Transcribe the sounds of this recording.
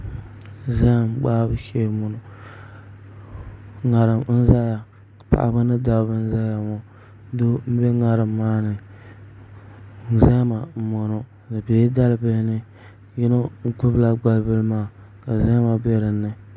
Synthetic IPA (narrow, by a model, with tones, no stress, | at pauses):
za˦˨mɡ͡baː˦bɨ˦ʃe˦˨mo˨no˨ | ŋa˨ɾɨ˨m̩˦za˦ja˨ | pa̰˨ʔa̰˨ba˦nɨ˦da˨˦bɨ˦n̩˦za˦ja˨ŋɔ˦ | do˦m̩˦be˦ŋa˨ɾɨ˨mːaː˦nɨ˨ | n̩˨za˦ma˨mo˨no˦ | nɨ˨be˨˦da˦lbɨ˦lnɨ˦ | ji˦no˦ŋ̩˦ku˦bla˦ɡ͡ba˦lbɨ˦lmaː˦˨ | ka˨za˦ma˨be˦ɾɨ˨nːɨ˨